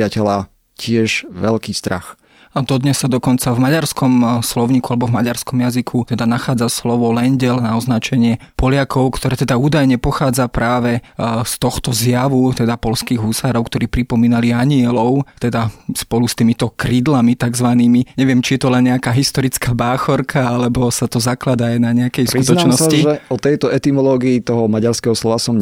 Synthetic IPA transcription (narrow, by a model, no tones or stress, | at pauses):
acɛla | cɪɛʒʋɛlkiːst̪ɾa̰x | ad̪ɔd̪ɲɛsːad̪ɔkɔnt͡savmaɟaɾskɔmslɔʊɲiːkualɛbɔvmaɟaɾskɔmjazikʰut̪ɛd̪anaxaːd͡zaslɔʋɔlɛnɟɛlnaɔznat͡ʃɛɲɪɛpɔlɪakʰɔʊkt̪ʰɔɾɛːt̪ɛd̪auːd̪ajɲɛpɔxaːd͡zapɾaːʋɛst̪ɔxt̪ɔzjaʋut̪ɛd̪apɔlskiːɣɦusaːɾɔʊkt̪ɔɾiːpɾipɔmiːnaliaɲɪɛlɔʊt̪ɛd̪aspɔlust̪iːmit̪ɔkɾiːd̪lamit̪aɡzʋaniːmiɲɛʋɪɛmt͡ʃijɛt̪ɔlɛnɲɛakaːɦist̪ɔɾit͡skaːbaːxɔɾkʰaalɛbɔsat̪ɔzaklad̪aːjnaɲɛakɛjskɾkut̪ɔnat͡ʃnɔsaiʒɛɔt̪ɛjt̪ɔɛt̪imɔlɔːɡiit̪ɔɦɔmaɟaɾskɛɦɔslɔʋasɔm